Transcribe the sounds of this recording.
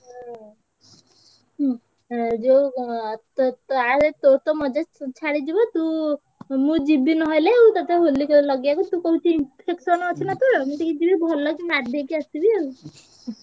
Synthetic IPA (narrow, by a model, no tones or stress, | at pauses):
ɦ | d͡ʒo | t̪t̪aɾet̪oɾt̪ɔmɔd͡ʒat͡ʃʰaɽid͡ʒibɔt̪ũ | mũd͡ʒibinɔɦɔjleut̪ɔt̪ʰeɦolːiklɔɡakɔt̪ukɔɦut͡ʃʰiimpʰeksɔnɔt͡ʃʰinat̪uɾmut̪ikid͡ʒibibʱɔlːɔkinaʈd̪ʱekiəst̪ibie